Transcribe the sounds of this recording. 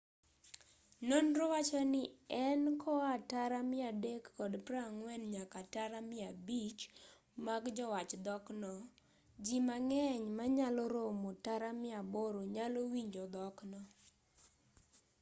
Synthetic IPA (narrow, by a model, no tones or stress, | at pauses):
nonɾɔwat͡ʃɔnɪɛnkʰɔataɾamɪadekːɔdpɾaŋwɛnɲakataɾamɪabit͡ʃ | maɡd͡ʒɔwat͡ʃd̪ɔknɔ | d͡ʒimaŋɛɲmaɲalɔɾomotaɾamɪaboɾoɲalowiɲd͡ʒɔd̪ɔknɔ